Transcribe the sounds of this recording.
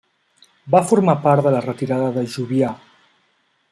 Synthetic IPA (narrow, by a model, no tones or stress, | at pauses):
bafoɾmapaɾt̪ðəlarət̪iɾaðəðəʒuβja